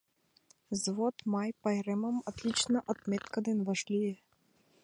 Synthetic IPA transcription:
zvɔt̪majpɐjɾɛmɐmat̪lʲit͡ʃnɐʔɐt̪mʲɛt̪kɐd̪ɨnvaʂlʲijɛ

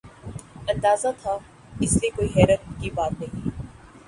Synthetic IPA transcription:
ɐ̃nd̪aːzat̪ʰa | ɪsliekoːiːɦɛːɾət̪̚kiːbaːt̪̚nɐɦĩː

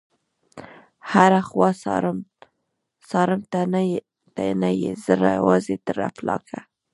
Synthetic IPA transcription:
haɾaxwɑsɾ | sɑɾɪmt̪a | t̪anajezəɾajwɑzed̪əɾa̰plɑ̰kʰa

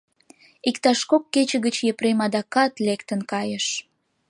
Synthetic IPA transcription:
ikt̪ɑʃkokːet͡ɕə̆ɣət͡ɕjepɾemɑd̪ɑkɑt̪lekt̪ənkɑjəʃ

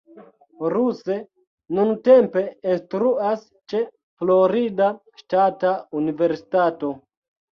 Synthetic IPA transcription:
ɾuse̞ | nunte̞mpe̞instɾuas | t͡ʃe̞ | floɾida | ʃtataunive̞ɾsi̥tato̞

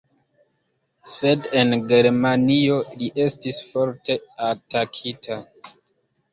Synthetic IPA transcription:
se̞de̞nɡe̞ɾmanio̞liʔe̞stisfo̞ɾte̞atakʰitʰa

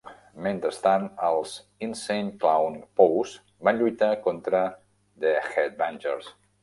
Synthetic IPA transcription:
mẽnt̪əst̪anəlˠz | insenklawnpowz | banʎujt̪akont̪ɾə | ðəxɛt̪̚banʲd͡ʒə̰ɾs

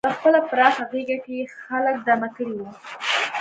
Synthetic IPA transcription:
pəxpəlapɾɑxaɣeɡakexalək̚d̪amakəɽiwu

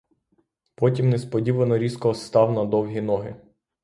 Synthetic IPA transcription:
pɔtʲimnɛspɔdʲiʋɐnɔɾʲiskɔɔst̪ɑwnɐd̪ɔwɦʲinɔɦɪ

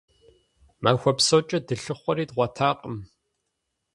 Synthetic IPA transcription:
maːxʷɔpsoːt͡ʃʼɐdɨɬɨχʷɔɾiːtʁʷɐtʰaːqʼəm

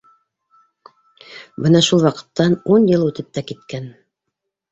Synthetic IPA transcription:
bɤnɑʃulˠwɑqɤ̥̆t̪ːɑnunjɤlˠʉt̪ɘp̚t̪ækit̪kæn

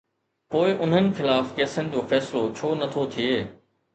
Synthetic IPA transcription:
poːɪʔʊn̤ənɪ̆xɪlaːfkɛːsənɪ̆d͡ʑoːfɛːsɪlot͡ɕʰoːnɐt̪ʰot̪ʰieː

